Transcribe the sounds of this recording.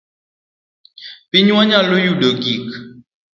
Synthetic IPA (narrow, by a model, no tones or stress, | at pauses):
piɲãɲãlojuɖoɡik